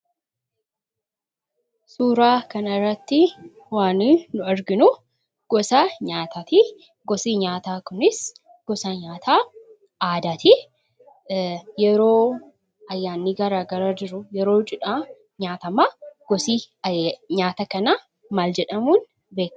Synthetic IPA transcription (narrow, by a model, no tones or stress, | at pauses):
suːɾaːkɐnɐɪrːɐt̪ːɪ | waːniːnʊɐɾɡɪnʊ | ɡ̥ɔsaːɲaːt̪ʰaːt̪i | ɡɔsiːɲaːt̪aːkʊnɪs | ɡ̥ɔsaːɲaːt̪ʰaː | aːd̪aːt̪ɪ | jɛɾo̞ː | ɐjːaːnːiɡɐɾaːɡɐɾaːd͡ʒɪɾʊjɛɾo̞ːt͡ʃʼɪᶑaː | ɲaːt̪ɐmaːɡ̥ɔsiː | ɲaːt̪ɐkɐnɐ | maːld͡ʒɛᶑɐmuːn | be̞ːkː